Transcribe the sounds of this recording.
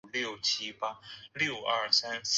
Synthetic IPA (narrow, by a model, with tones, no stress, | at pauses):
ljo˥˨˩ʊt͡ɕʰi˥pa˥ljo˥˩ʊɐ˞˥˩sa˥ns